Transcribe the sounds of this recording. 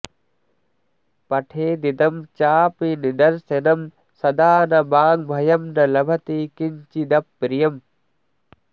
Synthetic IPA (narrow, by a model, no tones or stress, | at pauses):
pɐʈʰeːd̪id̪ɐmt͡ʃaːpinid̪ɐɾsenɐm | sɐd̪aːnɐbaːŋbʱɐjɐmnɐlɐbʱɐt̪ikiɲt͡ʃid̪ɐpːɾijɐm